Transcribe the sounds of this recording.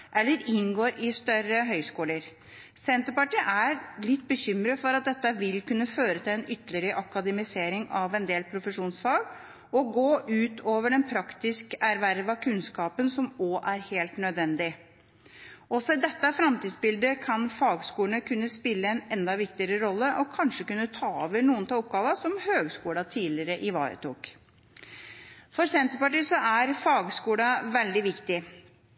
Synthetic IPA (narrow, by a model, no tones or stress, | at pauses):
ʔɛlːəɾɪnɡoːɾʔɪst̪œɾəɦœʏskuːləɾ | sɛnt̪əpɑʈiːʔæɾlɪt̪ːbəɕʏmɾəfɔɾɑt̪̚d̪ɛt̪ːəʋɪlkʉnːəføːɾət̪ʰɪlɛnʏt̪ːlɪəɾəʔɑkɑd̪ɛmɪseːɾɪŋɑʋɛnd̪eːlpʰɾʊfəʂuːnsfɑːɡ | ɔɡoːʔʉːt̪ʰoːʋəɖɛnpʰɾɑkt̪ɪskæɾʋæɾʋɑkʰʉnskɑːpənsɔmɔʔæɾheːlt̪nœd̪ʋɛnd̪ɪ | ʔɔsɔɪd̪ɛt̪ːɑfɾɑmt̪id̪sbɪld̪əkʰɑnfɑːɡskuːləɳəkʰʉnːəspɪlːəɛnɛnd̪ɑʋɪkt̪ɪəɾəɾɔlːəʔɔkʰɑnʂəkʉnːət̪ʰɑːɔʋənuːənt̪ɑɔp̚ɡɑːʋɑsɔmhøːɡskuːɽɑt̪ʰiːlɪəɾəʔɪʋɑ̰ːɾə̰t̪ʰṵːk | fɔɾsɛnt̪əɾpɑʈiːsɔæɾfɑːɡskuːlɑʋɛld̪ɪʋɪkt̪ɪ